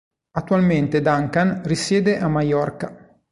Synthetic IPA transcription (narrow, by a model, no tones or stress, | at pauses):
at̪ːualment̪ed̪aŋkanrisjɛːd̪eʔamajɔrka